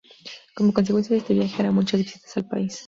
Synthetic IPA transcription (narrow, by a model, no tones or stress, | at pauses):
komo̞kons̬ekwensjaðest̪eβjaxeaɾamũt͡ʃazðisit̪ḁsalpa̰is